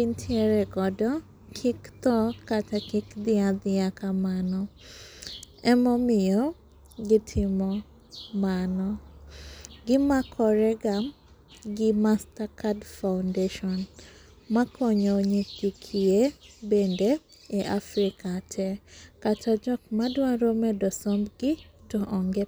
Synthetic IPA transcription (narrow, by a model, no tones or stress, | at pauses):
intʰieɾɛɡɔdɔ | kʰikt̪ɔkatakɪkd̪ɪad̪ɪakamanɔ | ɛmɔmɪjɔ | ɡɪtʰɪmɔ | manɔ | ɡɪmakʰɔɾɛɡam | ɡɪmastakadfawndeʃɔn | makʰɔɲɔɲikikʰiebende | eʔafɾɪkatʰɛkatʰad͡ʒɔkmadwãɾomɛdɔsɔmbɡɪtɔʔɔŋɡe